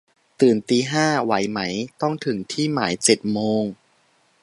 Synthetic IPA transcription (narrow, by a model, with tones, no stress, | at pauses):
t̪ɯː˨˩nt̪iː˧ɦaː˥˩wa˩˦jma˦˥jt̪ɔ˥˩ŋt̪ʰɯ˩˦ŋt̪ʰiː˥˩maː˩˦jt͡ɕe˨˩t̪̚moː˧ŋ